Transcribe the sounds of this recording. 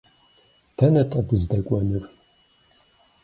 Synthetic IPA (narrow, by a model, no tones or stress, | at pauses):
tʰɐnɐtʼɐdɨzdɐkʷʼɔnɨr